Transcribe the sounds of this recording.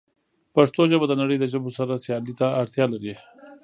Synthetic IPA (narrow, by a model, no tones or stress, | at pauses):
paʂt̪oʒəbad̪ənaɽəjd̪əʒəbosaɾasjɑlit̪aːɽt̪jɑlaɾi